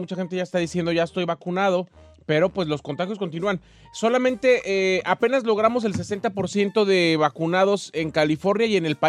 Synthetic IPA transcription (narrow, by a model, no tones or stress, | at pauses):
ut͡ʃaxe̞nt̪eʝaest̪aðisje̞nd̪o̞ʝaest̪o̞jβakunað̞o̞ | pe̞ɾo̞pwe̞zlo̞sko̞nt̪axjos̬ko̞nt̪̬inuan | so̞lamẽ̞nt̪e̞ʔeape̞nazlo̞ɣ̞ɾamo̞s̬e̞ls̬e̞se̞nt̪apo̞ɾsje̞nt̪o̞ðe̞βakunað̞o̞seŋkalifo̞ɾnjaje̞ne̞lpa